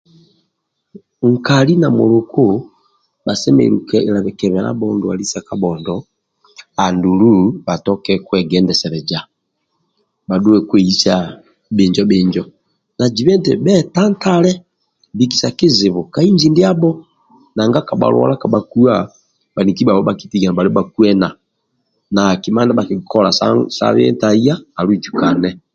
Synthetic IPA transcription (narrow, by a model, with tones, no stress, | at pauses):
ŋ̩˨ka˨li˦na˨mṵ˨lu˨ku˦ | ba˨sɛ˦mɛ̰˨lṵ˨kɛ˨la˨βɛ˨kɛ˨βɛ˨ɾa̰˦bɔ˦ndɔa˨li˦sa˨ka˨bɔ˨ndɔ˨ | a˨ndu˨lu˦ba˨tɔ˦kɛ˦kwɛ˨ɡɛ˦ndɛ˨sɛ˨ɾɛ˨d͡ʒa˨ | ba˨du˦wɛ˦kwɛ˨i˦sa˦ | bɪ˨ɲd͡ʒɔ˦bɪ˨ɲd͡ʒɔ˨ | na˨d͡ʒi˨βɛ˦ntɛ̰˨bɛ˦ta˦n˦ta˦lɛ˦ | bi˨ki̥˨sa˨kɪ˦zɪ˨βɔ˨ka˨˦i˦ɲd͡ʒi˨ndi˦a˦bɔ˦ | na˨ŋɡa˦ka˨ɓa̰˨lwɔ̰˦la˦ka˨ɓa˨ku˦a˦˨ | ɓa˨ni˨ki˦ba˨βɔ˦ba˨ki̥˦ti˦˨ɡa˨na˨ba˨ɾi˦ɔ˦ba˨ku˦ɛ˦na˨ | na˨ki˨ma˦nda˦ba˨ki˨kɔ˦la˨sa̰˦sa̰˦βiɛ̰˦nta˨i˦ja˦a˨lu˦i˨d͡ʒu˨ka˨nɛ˦